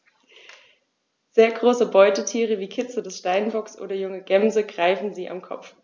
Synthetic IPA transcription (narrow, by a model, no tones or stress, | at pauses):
z̥eːɐɡʁoːsəbɔʏtətʰiːʁ̞əviːkʰɪt͡sədɛsʃtaɪnbɔksʔo̰ːdɐjʊŋəɡɛmzəɡʁaɪfn̩ziːʔa̰mkʰɔ̰pp͡f